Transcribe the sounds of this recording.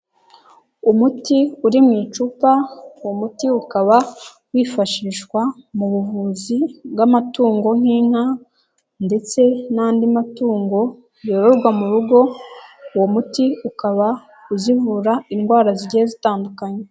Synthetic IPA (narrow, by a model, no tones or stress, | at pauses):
umutiuɾimŋiːt͡ʃuːpawomutiukaβa | wiːfaʃiːʃwamuβuvuːzibɡamatuːŋɡo̞ŋ̥iːŋ̥ha | nde̞t͡se̞naːndimatuːŋɡo̞ | joβoɾɡwamuɾuɡo̞womutiukaβa | uzivuɾainɡwaːɾaziɟeezitaːndukaɲe